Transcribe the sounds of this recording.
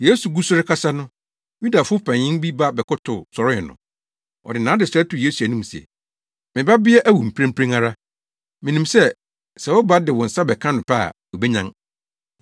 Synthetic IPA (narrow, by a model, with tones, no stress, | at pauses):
je˦su˨ɡu˦sʊ˦ɾɪ˦kʰa˦sa˦nʊ̃˦ | ju˦da˨fʊ˦ʊ˦pʰã˨ɪ̃˦nbi˦ba˦bɛ˨kʊ˦tʰʊ˨sɔ˨ɾɪ˦ɪ˨nʊ̰̃˨ | ɔ̰˨dɪ˨nãː˨˦dɪ˨sɛ˦tʊ˨jeː˦su˨æ˨nĩ˦m˨sɛ̰˨ | mɪ̃˨ba˦bɪ˦ɛ˦ʔæ˦wu˨m̩˨pʰɾã˦m˦pʰɾẽ˦ŋa˦ɾa˦ | mɪ̃˨nĩ˨msɛ˦ | sɛ˨wʊ˦ba˦dɪ˨wɔ̃˨n̩˨sa˦bɛ˨kʰã˦nʊ̃˨pʰa̰˦˨wɔ˨be˦ɲã˦ŋ